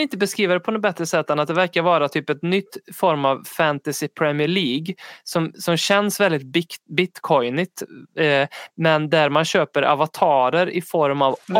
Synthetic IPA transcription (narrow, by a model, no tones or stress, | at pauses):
ɪnt̪əbɛskɾiːvad̪ɛpʰɔnɔbɛt̪ːɾəsɛt̪ːanat̪̚d̪ɛvæɾkaɾvɑːɾat̪ʰyːpɛt̪nʏt̪ːfɔɾmavfænt̪asɪpʰɾɛmɪəɭiːɡsɔmsɔmɕɛnsvɛld̪ɪt̪̚bbɪt̪kʰɔjnɪt̪ | mɛnd̪æɾmanɕøːpəɾʔa̰vat̪ʰɑːɾəɾɪ̰fɔɾmav